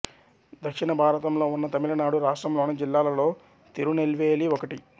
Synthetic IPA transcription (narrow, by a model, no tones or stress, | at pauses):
d̪ɐkʂinɐbʱaːɾɐt̪ɐmlo̞ːunːɐt̪ɐmilɐnaːɽuɾaːʂʈɾɐmloːunɐd͡ʒilːaːlɐlo̞ː | t̪iɾunelʋeːliɔkɐʈi